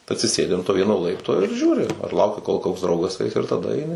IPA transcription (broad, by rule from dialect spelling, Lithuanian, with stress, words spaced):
ɐtʲsʲɪˈsʲeːdʲɪ ɐn toː ˈʋʲiɛnoː ˈlˠɐɪptoː ɪr ˈʒʲuːrʲɪ ɐr ˈlˠɐʊkʲɪ koːlˠ koːks ˈdrɐʊɡɐs ˈɐɪs ɪr tɐˈdɐ ɐɪˈnʲɪ